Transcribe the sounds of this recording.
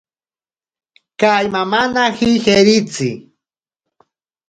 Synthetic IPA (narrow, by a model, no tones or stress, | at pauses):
kajmamanahɪheɾɪt͡sḭ